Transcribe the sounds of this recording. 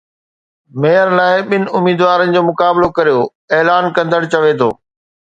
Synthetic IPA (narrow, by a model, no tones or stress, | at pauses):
meːəɾlaːɪɓɪnɪ̆ʊmiːd̪ʋaːɾənɪ̆d͡ʑoːmʊkaːblokɐɾijoː | eːlaːnkɐ̃nd̪ʱəɽ̃t͡ɕɐʋet̪ʰo̰ː